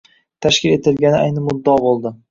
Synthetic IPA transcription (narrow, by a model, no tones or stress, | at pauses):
t̪ʰaʃkʲɪle̞t̪ʰɪlɡʲanɪajnɪmʊd̪ːɒbolˠd̪ɪ